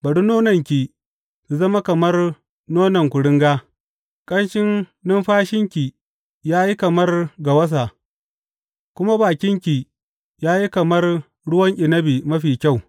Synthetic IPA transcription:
bɐ˨ɽu˦noː˦nɐ˨ŋkʲi˨ | su˨zɐ˦ma˦kɐ˨mɐ˦r | noː˦nɐ˨ŋkʷʊ˨ɽɪ˦ŋɡaː˦ | kʼɐ˦nʃɪ˦nnɪ˦mɸaː˦ʃɪ˦ŋkʲi˨ | jaː˦ji˦kɐ˨mɐ˦rɡa˨wɐ˦s̬a˨ | kʷʊ˦ma˦baː˨kʲɪ˦ŋkʲi˨ | jaː˦ji˦kɐ˨mɐ˦r | ɽʊ˦wɐ˦ŋʔʲʼɪ˨nɐ˦biː˨mɐ˦ɸiː˨kʲa˦˨w

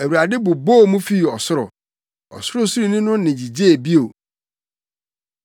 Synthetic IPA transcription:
æ˨wu˨ɾa˨dɪ˦bʊ˨bo˦˨mũ˦fi˦˨ɔ˨sʊ˦ɾɔ̰˨ | ɔ̰˨sʊ˦ɾʊ˦su˦ɾi˦˨nĩ˦nʊ̃˦nɪ̃˨d͡ʑi˨d͡ʑe˦e˨bi˦o˨

